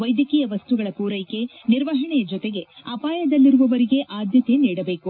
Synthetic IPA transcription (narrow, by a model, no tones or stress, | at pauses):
ʋɐjd̪jɐkiːjɐʋɐst̪uɡɐɭɐpuːɾɐjke̞ | niɾʋɐɦɐɳɛjɐd͡ʒɔt̪eɡe̞ɐpaːjɐd̪ɐlːiɾuʋɐʋɐɾiɡe̞ʔaːd̪ʱjɐt̪eniːɽɐbe̞ːku